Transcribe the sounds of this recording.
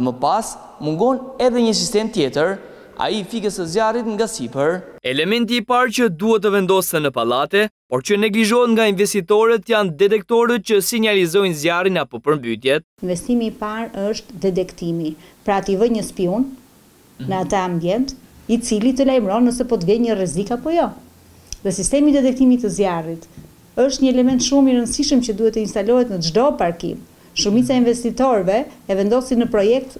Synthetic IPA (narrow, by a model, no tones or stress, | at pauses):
məpas | muŋɡɔnɛðɛɲəs̬ist̪ɛmt̪jɛt̪əɾ | a̰ifiɡəsəzjarit̪ŋɡasipəɾɛlɛmɛnt̪iːpaɾt͡ɕəd̪uɦɛt̪̬ːəvɛnd̪ɔsɛnəpalˠat̪ɛpɔɾt͡ɕənɛɡliʒɔɦɛt̪ŋɡainvɛst̪it̪ɔɾət̪jand̪ɛd̪ɛk̚t̪ɔɾət̪̚t͡ɕəsiɲalizɔjnzjarinapɔpəɾmbyt̪jɛt̪̚invɛst̪imipaɾəʃt̪d̪ɛd̪ɛkt̪imipɾat̪ivəɲəspiunː | əat̪aambjɛnt̪ | it͡silit̪əlajməɾɔnːəsɛpɔt̪əvjɛɲərɛzikapɔjɔ | ðɛsist̪ɛmid̪ɛd̪ɛk̚t̪imit̪əzjarit̪ | əʃt̪ɲəɛlɛmɛnt̪ʃumiɾənsiʃəmt͡ɕəd̪uhɛt̪ːəinst̪alɔɦɛt̪nəd͡ʒd̪ɔpaɾkḭm | ʃumit͡sainvɛst̪it̪ɔɾvɛːvɛnd̪ɔsinəpɾɔjɛk̚t̪